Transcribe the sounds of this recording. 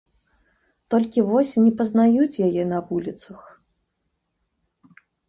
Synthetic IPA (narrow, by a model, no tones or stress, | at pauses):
t̪ɔlʲkʲivɔsʲnʲɛpɐznajut͡sʲjajɛnɐvulʲit̪sɐx